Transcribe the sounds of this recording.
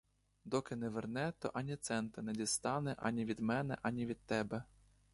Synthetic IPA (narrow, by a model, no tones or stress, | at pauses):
d̪ɔkɪnɛʋernɛt̪ɔ̰ʔɑnʲit̪sɛnt̪ɐnɛdʲist̪ɑnɛʔɑ̰nʲiʋʲid̪mɛnɛ̰ʔɐnʲiʋʲid̪̚t̪ːɛbɛ